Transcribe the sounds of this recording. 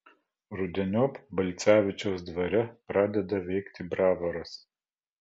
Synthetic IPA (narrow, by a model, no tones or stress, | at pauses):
ɾʊd̪ʲɛnʲoːpbɐlʲt̪sʲæːʋʲɪt͡ʃʲoːsd̪ʋɐɾʲɛpɾɑːd̪ʲɛd̪ɐʋʲɛɪkt̪ʲɪbɾɑːʋɐɾɐs